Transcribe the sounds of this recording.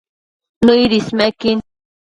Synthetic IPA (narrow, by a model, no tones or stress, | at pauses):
nʊjɾismakɪn